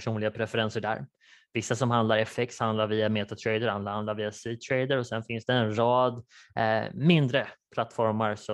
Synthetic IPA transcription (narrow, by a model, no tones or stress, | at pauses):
ʂuːnlɪɡapʰɾɛfɛɾɛnsəɖæ̰ːɾ | vɪsːasɔmhand̪laɾɛfɛkt̪hand̪laɾviːameːt̪at̪ʰɾɛjd̪əɾand̪ahand̪laɾviːasiːt̪ʰɾɛjd̪əɾɔsɛnfɪnsd̪ɛːnɾɑːd̪ | mɪnd̪ɾəpʰlat̪ːfɔɾmaɾsɔ